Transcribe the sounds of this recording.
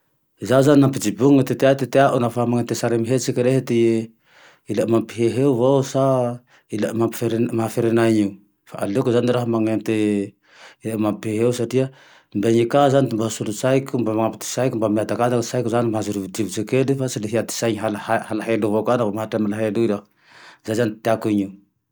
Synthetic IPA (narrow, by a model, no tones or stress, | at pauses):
zazaninampid͡ʒibuŋat̪et̪eat̪et̪eaʔunafamaŋent̪esaɾemiɦet͡sikiɾeɦet̪i | ilaʔmampiɦeɦeuvowsa | ilaʔmapfeɾmafeɾenaɲiu | fa̰ʔa̰lekuzaniɾaɦamaŋent̪e | ilamampieɦeusaʈ͡ʂia | mbeɲikazanit̪imbaɦasulut͡sajkumbamaŋapit̪i̥sajkumbamiad̪akad̪aksajkuzanimaɦazuɾuvid̪ivut͡ʃekelifasileɦiat̪i̥sajɲɦalahahalaɦeluvokanavamaɦaʈ͡ʂamalaɦeluila | zajzanit̪eakuiɲiu